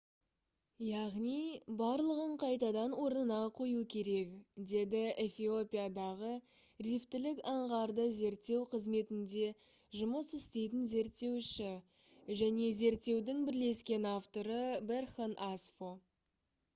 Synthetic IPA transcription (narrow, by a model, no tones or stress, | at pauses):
jɑʁnijbɑɾlˠəʁəɴqʰɑjt̪ɑd̪ɑnwo̞ɾnənɑqʰo̞jukʲʰe̞ɾe̞kd̪e̞d̪ɪefʲio̞pʲijad̪ɑʁə | rift̪ɪlɪkɑɴʁɑɾd̪əze̞ɾt̪ːe̞wqʰəzme̞t̪ɪnd̪e̞ | ʒʊməsɪst̪e̞jt̪ɪnze̞ɾt̪ːe̞wʃɪ | ʒæne̞ze̞ɾt̪ːe̞wd̪ɪŋbɪɾle̞skʲe̞naft̪o̞ɾəberχonʔasfo